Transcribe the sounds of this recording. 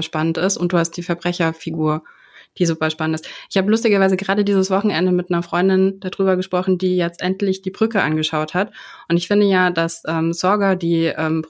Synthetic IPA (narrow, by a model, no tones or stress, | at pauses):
ʃpanəntɪstʊnt̚d̥uːhast̚d̥iːfɛɐbʁɛçɐfiɡuːɐ | d̥iːzuːpɐʃpanəntɪstʔɪçhaːbəlʊstɪɡɐvaɪzəɡəʁaːdədiːzəsv̥ɔχn̩ʔɛndəmɪtnɐfʁ̥ɔʏndɪnd̥adʁyːbɐɡəʃpʁ̥ɔχn̩diːjɛt͡stʔɛntlɪçd̥iːbʁʏkəʔa̰nɡəʃaʊthatʔʊntɪçfɪndəjaːdasʔɛːmz̥ɔɐɡɐdiːʔɛːm